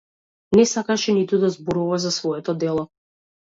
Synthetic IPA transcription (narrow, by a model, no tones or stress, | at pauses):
nɛsakaʃɛnit̪ud̪azbɔɾuvazasvɔɛt̪ɔd̪ɛlˠɔ